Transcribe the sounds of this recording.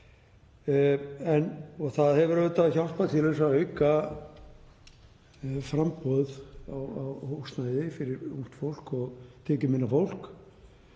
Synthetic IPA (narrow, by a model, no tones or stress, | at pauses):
ɛnɔɣθaðhɛvʏɾɛvʏt̪ʰaːvçaw̪spat̪ʰɪlesaœɥka | fɾampɔðawawhowst̪najðɪfɪɾɪɾṵŋn̥t̪fowl̥kɔɣt̪ʰɛːcɪmɪnːafowl̥k